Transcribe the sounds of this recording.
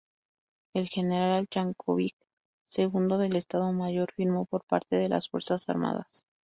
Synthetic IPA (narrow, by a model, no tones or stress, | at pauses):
e̞lxe̞ne̞ɾalalt͡ʃaŋkʰoβik | se̞ɣund̪o̞ðe̞le̞st̪aðo̞maʝo̞ɾfiɾmo̞po̞ɾpaɾt̪e̞ð̞e̞lʔa̰sfwe̞ɾsasa̰ɾma̰ða̰s